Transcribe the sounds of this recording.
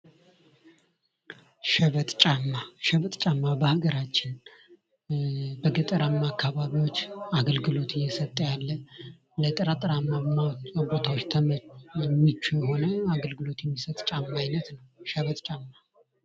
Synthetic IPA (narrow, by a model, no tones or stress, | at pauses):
ʃəβət̪ʼt͡ʃʼamːaʃəβət̪ʼt͡ʃʼamːabəhaɡəɾat͡ʃːɪn | bəɡət̪ʼəɾamːaːkːaβaβiwo̞t͡ʃːaɡəlɡɨlo̞t̪ʰɨjːɛsət̪ʼjalːə | lət̪ʼəɾat̪ʼɨɾamːamːabo̞t̪ʰawot͡ʃːt̪ʰəɛmːit͡ʃːujɛho̞nəaɡəlɡɨlo̞t̪jɛmːisət̪ʼt͡ʃʼamːaːjnət̪nəwʃəβət̪ʼt͡ʃʼamːa